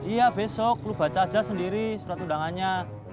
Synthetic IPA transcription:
ijabesɔk̚lub̥a̤t͡ʃḁd͡ʒasəndiɾisuɾat̪udaŋanɲa

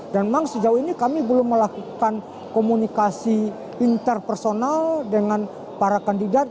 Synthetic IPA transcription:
danmaŋsəd͡ʒauinikamibəlʊmːəlakukan | komunikasi | int̪ərpərsonaldəŋan | paɾakandidat̪̚

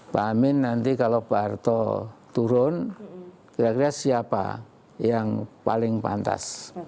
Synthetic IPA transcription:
pamɪnːant̪ikalopart̪ɔ̰t̪uɾʊn | kiɾakiɾiasiapa̰ | jaŋpa̰lɪŋpa̰nt̪a̰s

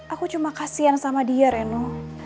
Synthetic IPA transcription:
ʔakut͡ʃumakasiansamadiaɾɛnu

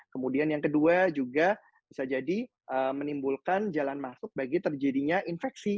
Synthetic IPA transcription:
kəmudianjaŋkəduad͡ʒuɡa | b̥isad͡ʒadi | ʔəmənimbulkand͡ʒalanmasʊk̚baɡit̪ərd͡ʒadiɲaʔinfɛksi

